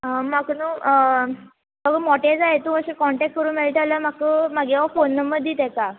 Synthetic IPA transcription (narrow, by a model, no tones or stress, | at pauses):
əmakənũː | bəɡəmɔʈed͡zaɦet̪ũəɕəkɔɳʈɛk̚ʈ̚kːəɾũːnmeɭʈ̪alamakəmaɡeʋafonːəməd̪ʱːiːt̪ɛka